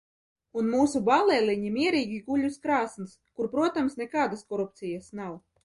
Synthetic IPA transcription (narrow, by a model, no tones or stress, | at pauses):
unmuːsubalˠɛlʲˠiɲimʲiɛɾiːɡʲiɡuʎʲuskɾaːsnskuɾpɾuɔt̪amsnɛkaːd̪askɔɾupt̪sijasnaw